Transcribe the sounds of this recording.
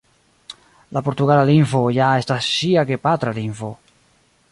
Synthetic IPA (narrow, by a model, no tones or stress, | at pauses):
lapoɾt̪uɣalaliɱfojaest̪asiakepat̪ɾaliɱfo